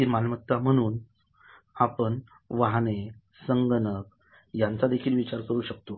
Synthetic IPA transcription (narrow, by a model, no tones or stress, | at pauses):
kimanmət̪ːam̤əɽ̃uːn | apəɳ | ʋaɦne | səŋɡənək̚ | jant͡sad̪ekʰiːlʋit͡ɕaɾkəɾuːɕək̚t̪o